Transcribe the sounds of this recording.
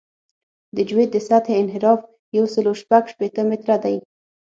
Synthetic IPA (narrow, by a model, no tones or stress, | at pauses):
d̪əd͡ʒwet̪̚d̪əsat̪ʰeɪnɦɪɾɑf | jawsəloʃpaɡʃpet̪əmɪt̪ɾad̪aj